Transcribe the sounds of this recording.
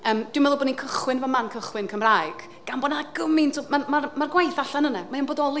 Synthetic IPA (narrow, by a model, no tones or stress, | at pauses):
əːmd̥wɪwmɛðˠʊbɔninkʰəχwɪnvɔmankʰəχwɪnkʰəmrajɡ̥ | ɡ̥anbɔnaɡəmɪntʰomamamarɡwajθaɬanənamaanboːdɔlˠi